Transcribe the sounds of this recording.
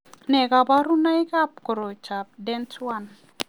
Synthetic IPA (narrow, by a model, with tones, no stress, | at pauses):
nɛ˨ɡa˨ba˦ɾu˦na˦i˦ka˦p̚ko˨ɾo˨t͡ʃa˨p̚dɛ˦ntʰwa˦˨n